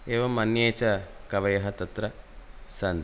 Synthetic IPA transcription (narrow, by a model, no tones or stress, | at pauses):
eːʋɐmɐnjeːt͡ʃɐkɐʋɐjɐɦɐt̪ɐt̪ɾɐsɐnd̪